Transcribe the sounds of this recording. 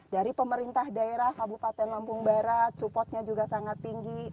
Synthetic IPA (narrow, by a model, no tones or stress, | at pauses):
daɾipəməɾint̪ahdaeɾahabupat̪ɛnlampʊŋbaɾat̪̚supɔt̪̚ɲad͡ʒuɡasaŋat̪̚piŋɡi